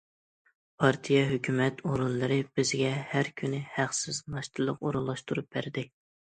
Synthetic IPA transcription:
pʰɑɾt̪ʰijɛɦøkʲymɛt̪ʰoɾunlˠɨɾɨb̥ɪzɡʲɛhæɾkʲʰynɪhæqsɪznɑʃt̪ʰɨlˠəqoɾunlˠɑʃt̪uɾup̚bæɾd̪ɪ

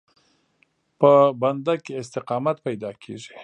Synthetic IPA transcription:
pəband̪akeɪs̬t̪ɪqɑmat̪pajd̪ɑkʰḛʐi̥

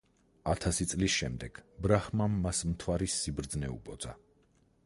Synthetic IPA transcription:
at̪ʰasit̪sʼlisʃɛmd̪ɛɡ̥bɾaχmamːasmt̪ʰwaɾisːibɾd̪znɛṵpʼɔd̪z̥a

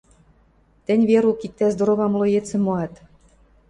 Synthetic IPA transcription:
t̪ɘ̆nʲβeɾukit̪ːæzd̪oɾoβɑmlojet͡sĕmːoɑt̪

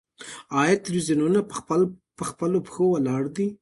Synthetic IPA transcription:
ɑjat̪alwizijununapəxpəlopəxowəlɑɽd̪i

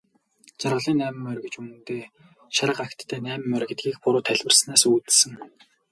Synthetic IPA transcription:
t͡sarʁə̆ɮiːnːæːmɘ̆mːœɾɣĕt͡ɕumɘ̆nt̪eː | ʃaɾə̆qakt̪ʰːæːnæːmɘ̆mːœɾ̆ɡʲĕt̪̚ɡʲiːxpʊɾʊːt̪ʰːæɮʲwɘ̆rsnaːsuːt̪sɘ̆ŋ

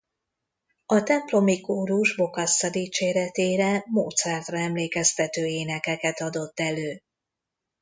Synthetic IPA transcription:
ɒt̪ɛmplo̞mikoːɾuʒbo̞kɒsːɒd̪iːt͡ʃeːɾɛt̪eːɾɛmo̰ːt̪sɛrt̪rɒɛmleːkɛst̪ɛt̪øːeːnɛkɛkɛt̪ɒd̪o̞t̪ːɛløː

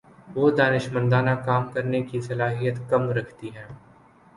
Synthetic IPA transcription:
ʋoːd̪aːnɪʃmə̃nd̪aːnakaːmkɐɾnekisɐlaːɦijət̪kɐmɾɐkʰt̪iɦɛ̃ː

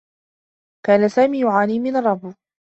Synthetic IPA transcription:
kaːnasaːmiːjʊʕaːniːmɪnɾˤɑb

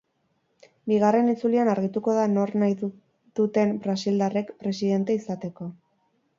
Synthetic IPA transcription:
biɣare̞nit͡sulianaɾɣ̞it̪uko̞ðano̞ɾnaj | d̪ut̪e̞mbɾasild̪are̞kpɾe̞siðe̞nt̪e̞isat̪e̞ko̞

